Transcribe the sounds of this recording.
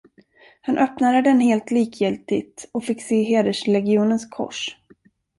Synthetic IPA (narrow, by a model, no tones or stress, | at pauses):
hanʔœpnad̪əd̪ɛnheːlt̪liːkʰjɪlt̪ɪt̪ɔfɪkːseːɦeːd̪əʂlɛɡɪuːnənskʰɔ̰ʂ